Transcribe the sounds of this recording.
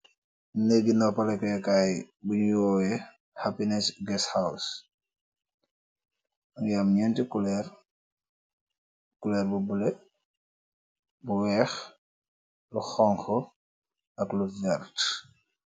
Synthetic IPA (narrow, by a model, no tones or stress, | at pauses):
nɛɡinɔpɐlɛkɔjɛkaj | buɲjɔːjɛ | hapinɛsɡɛshaws | ɐŋjamɲɛntikulɛr | kulɛːrbubule | buwɛːx | luxɔŋxɔ | ɐkluvɛlt